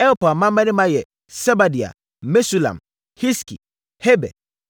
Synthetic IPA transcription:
ɛ˦o˦pa˨mã˦ma˦nɪ̃˦mã˦jɛ˨ | sɛ˦ba˨di˨a̰˨ | me˦su˦la̰˨m | hi˦skḭ˨ | hɛ˦bɛ̰˨

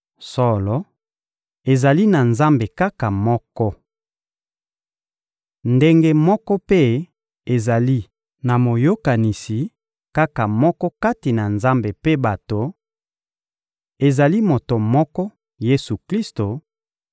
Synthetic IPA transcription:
sɔ˦lɔ˨ | e˨za˨li˦na˨nza˦mbe˨ka˦ka˨mɔ˦kɔ˦ | nde˦ŋɡe˦mɔ˦kɔ˦pe˦ | e˨za˨li˦ | na˨mo˨jo˦ka˨ni˨si˨ | ka˦ka˨mɔ˦kɔ˦ka˦ti˨na˨nza˦mbe˨pe˦ba˨to˨ | e˨za˨li˦mo˨to˨mɔ˦kɔ˦ | je˦su˨kli˦sto˨

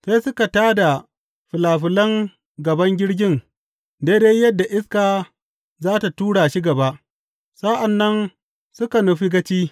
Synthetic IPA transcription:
sa˦jsʊ˦ka˨taː˦da˨ | ɸɪ˨laː˨ɸɪ˨lɐ˦ŋ | ɡɐ˨bɐ˦ŋɡʲɪ˦ɽɡʲɪ˦ŋ | deː˦de˦jjɐ˦dːa˨ʔɪ˦skaː˨ | zaː˦ta˨tuː˦ɽaː˨ʃi˦ɡɐ˨ba˦ʔ | sa˦ʔa˨nːɐ˦n | sʊ˦ka˨nu˨ɸi˦ɡɐ˦t͡ʃiː˦

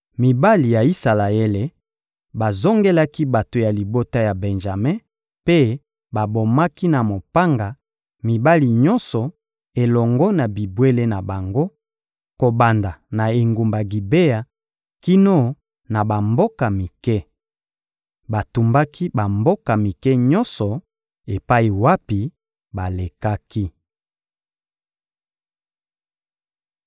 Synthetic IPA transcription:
mi˨ba˦li˨ja˨i˦sa˨la˨e˦le˨ | ba˨zo˦ŋɡe˦la˦ki˦ba˨to˨ja˨li˨bo˦ta˦ja˨bɛ˨nʒa˨me˦ | pe˦ | ba˨bo˨ma˦ki˦na˨mo˨pa˦ŋɡa˨ | mi˨ba˦li˨ɲɔ˦nsɔ˨ | e˨lɔ˨ŋɡɔ˦na˨bi˨bwe˦le˦na˨ba˨ŋɡo˦ | ko˨ba˨nda˨na˨e˨ŋɡu˨mba˨ɡi˨be˦ja˨ | ki˦no˦ | na˨ba˨mbo˦ka˨mi˨kɛ˦ | ba˨tu˨mba˦ki˦ba˨mbo˦ka˨mi˨kɛ˦ɲɔ˦nsɔ˨ | e˨pa˦i˨wa˦pi˨ | ba˨le˨ka˦ki˦

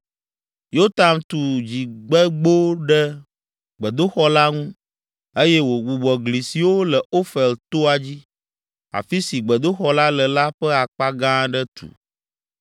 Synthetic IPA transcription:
jo˦t̪a˨nt̪u˨d͡ʑi˨ɡ͡bɛ˦ɡ͡bo˦ɖɛ˦ | ɡ͡bɛ˨d̪o˦xɔ˦la˦ŋũ˦ | e˦jɛ˦wo˨ɡ͡bu˨ɡ͡bɔ˨ɡli˨si˨wo˦lɛ˨o˦fɛ˨lt̪o˦a˨d͡ʑi˦ | a̰˨fi˦si˨ɡ͡bɛ˨d̪o˦xɔ˦la˦lɛ˨la˦ɸɛ˦a˨k͡pa˦ɡã˦ɖɛ˦t̪ṵ˨

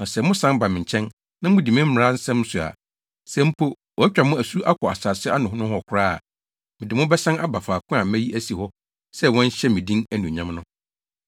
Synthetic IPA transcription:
nã˨sɛ˨mʊ̃˦sã˦m˦ba˨mɪ̃˨ɲ̩˨t͡ɕʰɛ̃˦n | nã˦mʊ̃˦di˨mɪ̃˦m̩˦m˨ɾa˦n̩˦sɛ̃˦m˦sʊ˨a̰˨ | sɛ̃˦m̩˦pʰo˦ | wɔ˨æ˦t͡ɕᶣa˨mʊ̃˦æ˨su˦ʔa˦kʰɔ˨a̰˨saː˨sɪ˦a˦nʊ̃˨ɦʊ̃˦nʊ̃˦hɔ˦˨kʰʊ˨ɾa̰ː˦˨ | mɪ̃˨dɪ˨mʊ̃˦bɛ˦sã˦na˦ba˨faː˨kʰʊ̃˦a˨˦mæ̃˦ji˦ʔæ˦si˨hɔ˦ | sɛ˦wɔ̃˦n˦ɕɛ˦mɪ̃˨dĩ˦næ˦nũ˨ɲã˦m˦nʊ̃˦

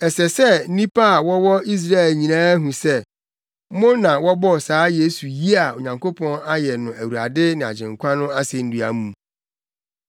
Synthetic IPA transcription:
ɛ˨sɛ˨sɛ˦˨n̩˦nĩ˦pʰa˦a˨wɔ˦wɔ˦i˦s̬ɾa˦ɛ˨lɲĩ˨nãː˦æ˦ɦũ˨sɛ˦ | mʊ̃˦nã˨wɔ˦bɔ˦˨saː˨˦je˦su˨ji˦a˨o˨ɲã˨ŋkʰo˦pʰɔ̃˦na˦jɛ˨nʊ̃˨æ˨wu˨ɾa̰˨dɪ˦nɪ̃˨a̰˨d͡ʑɪ̃˨ŋkʷʰa˦nʊ̃˦a˦sɪ˨n̩˦du˨a̰˨mũ˨m

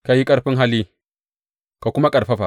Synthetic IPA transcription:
ka˨ji˦kʼɐ˦ɾɸi˦nɦa˦li˦ | ka˨ku˦ma˦kʼɐ˨ɾɸa˦ɸa˨

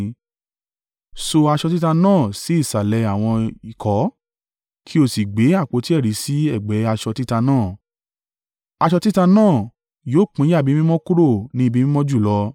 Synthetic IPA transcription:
so˧a˧ʃɔ˧t̬i˦ta˧nãː˦˨si˨˦i˦˨sa˨lɛ˨˧˦a˨w̃ɔ̃˧i˨kʰɔ˨˦ | kʰi˦o˦˨si˨ɡ͡be˨˦a˦˨k͡po˨˧˦ti˦ɛ˦˨ɾi˨˦si˨˦ɛ˦˨ɡ͡bɛ˨˦a˧ʃɔ˧ti˦ta˧nãː˦˨ | a˧ʃɔ˧ti˦ta˧nãː˦˨ | joː˦˨k͡pĩ˨˦a˦˨bi˨˦mĩ˦mɔ̃˦ku˦ɾo˦˨nĩ˨˦˧bi˦mĩ˦mɔ̃˦d͡ʒu˦˨lɔ˧

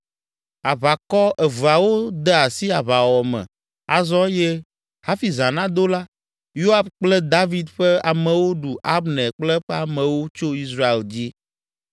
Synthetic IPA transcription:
a˨βa˨kɔ˦ʔɛ˨vu˨a˨wo˦d̪ɛ˦a˨si˦a˨βa˨wɔ˨mɛ̰̃˨ | a˨zɔ˦jɛ˦ | ha˦fi˨zã˨nã˦d̪o˦la˦ | jo˦a˦bk͡plɛ˦d̪a˦vi˦d̪ɸɛ˦a˨mɛ̃˨wo˦ɖu˨ʔa˦bnɛ̃˨k͡plɛ˦ɸɛ˦a˨mɛ̃˨wo˦t͡ʃo˦i˦s̬ɾa˦e˨ld͡ʑi˦

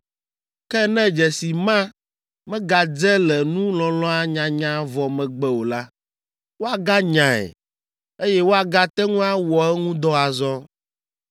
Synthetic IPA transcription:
kɛ˦nɛ̃˦d͡ʒɛ˨si˨mã˦ | mɛ̃˦ɡa˨d͡zɛ˦lɛ˨nũ˦lɔ̃˨lɔ̃˦a˦ɲã˨ɲã˦vɔ˨mɛ̃˨ɡ͡bɛ˦wo˨la˦ | wo˦a˨ɡa˦ɲã˨ɛ̰˨ | e˦jɛ˦wo˦a˨ɡa˦t̪ɛ˦ŋũ˦a˦wɔ˨ɛ˦ŋũ˦d̪ɔ˦a˨zɔ˦

